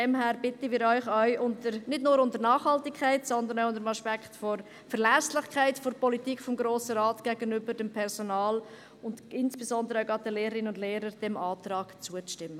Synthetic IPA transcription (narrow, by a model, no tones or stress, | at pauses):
dɛmɦæːɾb̥ɪtəmɪːɾœʏχœʏʔʊntəɾnɪdnʊːɾʊntəɾnɑːχhɑltɪkʰχæɪtsɔndəɾnaʊʊndəɾəmɑʃpɛkχtfɔɾ | fəɾlæslɪχkχaɪtfɔɾpɔlitiːkfɔmɡɾoːsəɾɑːtɡ̥æɡənʏbəɾdɛmpʰɛɾsonɑːl | ʊndɪnsb̥esɔnd̪əɾəaʊɡɑdəleːɾəɾɪnəʊndleːɾəɾd̥ɛmɑːtɾɑːɡ̥t͡suət͡sʃtɪmːə